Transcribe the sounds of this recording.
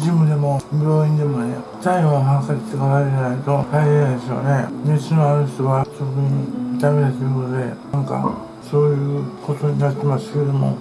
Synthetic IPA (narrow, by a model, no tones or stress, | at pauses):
d͡ʑimɯ̟d̪e̞mo̞bʲo̞ːĩnd̪e̞mo̞nḛt̪aĩoɦãŋkaɾt̪ːekaɾaanait̪o̞haiɾenand̪eso̰ne̞nesɨnoanoɕt̪oβasokɯɲid̪amed̪asɨɯkot̪od̪e̞ | ãŋka̰ | so̞ːjɯ̟ːko̞t̪o̞ɲ̟inat̪ːe̞masɨ̥ked̪o̞mo̞̰